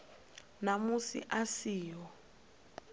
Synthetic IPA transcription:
namusḭʔasiːjɔ

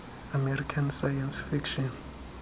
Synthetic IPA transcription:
amɛrikʰansajansfikʃɔn

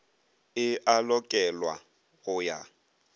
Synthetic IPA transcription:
ɪʔalɔkʼɛlwa | ɣʊja

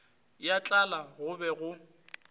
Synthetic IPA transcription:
jat͡ɬʼalaɣʊbɛɣʊ

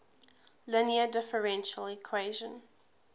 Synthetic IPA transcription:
lɪniədɪfəɹɛ̃nʃəlikʰweɪʒə̃n

